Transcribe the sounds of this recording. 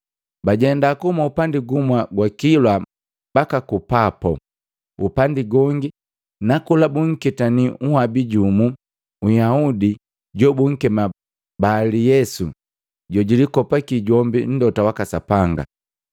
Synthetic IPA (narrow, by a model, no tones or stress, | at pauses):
baɟɛndakumaupandiɡumwaɡwakilwa | b̥akakupapɔ̰ | upandiɡɔŋɡi | nakulabuŋ̩kitaniuhabiɟumu | ujaudi | ɟɔbuŋ̩kɛma | balijɛsu | ɟɔɟilikɔpakiɟɔmbin̩dɔtawakasapaŋɡa̰